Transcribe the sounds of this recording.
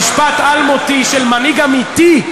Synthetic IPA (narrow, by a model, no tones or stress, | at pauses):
ʃpat̪almot̪iʃelmaniɡamit̪i